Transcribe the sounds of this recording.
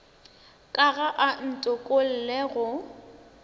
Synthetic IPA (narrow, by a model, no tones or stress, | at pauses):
kʼaɣaʔan̩tʼʊkʼol̩lɛɣʊ